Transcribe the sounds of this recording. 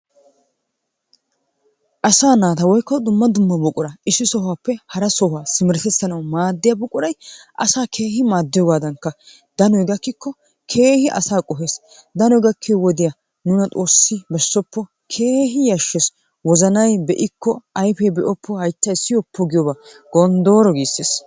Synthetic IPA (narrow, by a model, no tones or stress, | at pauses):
ʔɐsaːnaːt̪ɐwɔjkːɔd̪ʊmːɐd̪ʊmːɐbɔkʼʊɾɐʔɪsːɪsɔhwaːpːɛhɐɾɐsɔhwaːsɪmɪɾɛt̪ɛt͡sːɐnɐwmaːd̪ːɪjabɔkʼʊɾɐjʔɐ̰saːkʰe̞ːhɪmaːd̪ːɪjɔɡaːd̪ɐŋkːɐ | d̪̥ɐnɔjɡɐkːɪkːɔ | kʰe̞ːhɪʔɐ̰saːkʼɔɦe̞ːs | d̪ɐnɔjɡɐkʰːewɔd̪ɪja | nʊnɐt̪ʼo̞ːsːɪbɛsːɔpːɔ | kʰe̞ːɦɪjɐʃːɛs | wɔzɐnɐjbɛʔɪkːɔɐjfɛbɛʔɔpʰːɔhɐjt͡ʃːɐɪsːɪjɔpːɔɡɪjɔbaɡ̥ɔnd̪o̞ːɾɔɡiːsːeːs